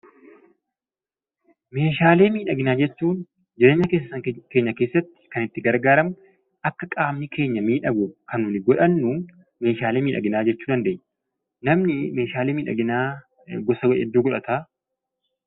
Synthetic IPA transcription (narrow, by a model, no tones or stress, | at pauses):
me̞ːʃ̬aːle̞ːmiːᶑɐɡɪnaːd͡ʒɛt͡ʃːuːn | d͡ʒɪɾe̞ːɲːɐke̞ːsːɐsɐŋke̞ːɲːɐke̞ːsːɐt̪ːɪ̥kɐnɪt̪ːɪɡɐɾɡaːɾɐm | ɐkːɐkʼaːmnɪkʰe̞ːɲːɐmiːᶑɐɡʊkɐnuːnɪɡɔᶑɐnːʊ | me̞ːʃaːleːmiːᶑʔɐ̰ɡɪnaːd͡ʒɛt͡ʃːuːd̪ɐnd̪e̞ːɲː | nɐmnɪme̞ːʃaːleːmiːᶑɐ̰ɡɪnaː | ɡɔsɐwɐʔɛ̰d̪ːuːɡɔᶑɐt̪aː